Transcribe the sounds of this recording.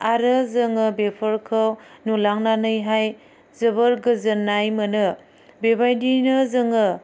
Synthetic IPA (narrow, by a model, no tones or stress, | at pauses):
aɾɯzɯŋɯbepʰəɾkʰɯwnulaŋnanɯjɦaj | zɯβəɾɡɯzɯnːajmɯnɯ | bebajdinɯzɯŋɯ